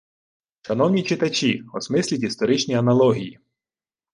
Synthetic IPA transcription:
ʃɐnɔwnʲit͡ʃɪt̪ɐt͡ʃʲiɔsmɪsʲlʲitʲist̪ɔɾɪt͡ʃnʲiɐnɐlˠɔɦʲiji

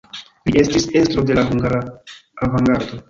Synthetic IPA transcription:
liʔe̞stise̞stɾo̞de̞laɦuŋɡaɾaːvaŋɡaɾdo̞

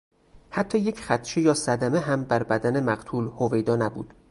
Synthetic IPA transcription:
hæt̪ʰːɒːje̞cχæt̪t͡ʃʰejɒːsæd̪æmeɦæmbæɾbæd̪æne̞mæɢt̪ʰuːlhovejd̪ɒːnæbṵːd̪̥

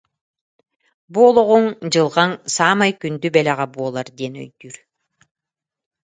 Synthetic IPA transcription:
buolˠoʁoŋd͡ʒɯlˠʁɑnsɑːmɑjkynd̪ybelʲaʁɑbuolˠɑɾd̪ʲenø̰jd̪yɾ

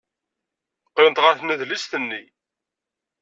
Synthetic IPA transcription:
qːewnt̪ʁəɾθnæðlist̪ənːi

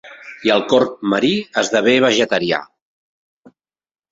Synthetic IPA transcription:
iəlˠkɔrt̪̚məɾiəzðəβ̞eβəʒət̪əɾia̰

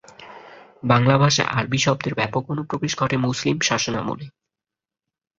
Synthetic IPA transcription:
baŋlabʱaʃa̰ʔa̰ɾbʱiʃɔb̚d̪eɾbɛpokonupɾobeʃɡʱɔʈemuslimʃaʃona̰mṵle

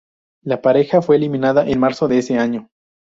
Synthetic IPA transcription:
lapaɾe̞xafwe̞ːlimĩnaðaʔenmaɾsoðeese̞aɲo

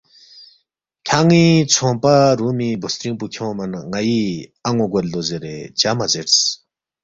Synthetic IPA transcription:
kʲʰaŋit͡sʰoŋpaɾumibosɾiŋpukʰowmanŋajiaŋoɡarlozəɾet͡ɕamazers

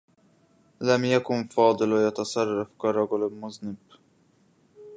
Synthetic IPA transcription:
lamjakʊnfɑːd̪ˤɨlwajat̪asˤɑrˤːɑfkaɾˤɑɡʊlɪlmʊznɪb̥

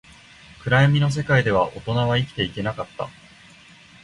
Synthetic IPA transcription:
kɯ̟ɾaemʲino̞s̬e̞kaid̪e̞β̞aʔo̞̰t̪o̞naβaikʲi̥t̪e̞ike̞nakat̪ːa̰

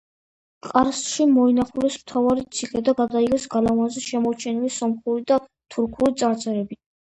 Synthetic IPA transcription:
qʼaɾsʃimɔinaχulɛsmt̪ʰavaɾit̪sʰiχɛd̪aɡad̪aiʁɛsɡalavanzɛʃɛmɔɾt͡ʃʰɛnilisɔmχuɾid̪a | t̪ʰuɾkʰuɾit̪sʼaɾt̪sʼɛɾɛbi

